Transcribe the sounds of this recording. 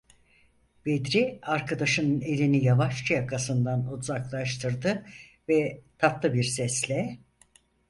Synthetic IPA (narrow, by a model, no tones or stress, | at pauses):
bed̪ɾiaɾkʰad̪aʃɯnɯne̞lʲinijavaʃt͡ʃʰajakʰasɯnd̪anozaklˠaʃt̪ʰɯɾd̪ɯ | vɛt̪ʰapt̪lˠɯbiɾsɛslʲɛ